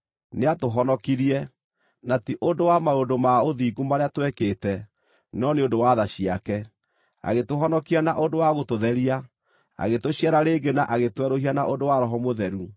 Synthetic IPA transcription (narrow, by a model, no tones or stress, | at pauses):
neatoɦɔnɔkiɾiɛ | natiʔodowamaondomaoðiːɡumaɾeatwɛkeːtɛ | nɔneondowaðaɕiakɛ | a̰ɣetoɦɔnɔkianaʔondowaɣotoðɛɾia | a̰ɣetoɕiaɾaɾeːɡenaʔaɣetwɛɾohianaʔondowaɾɔɦɔmoðɛɾu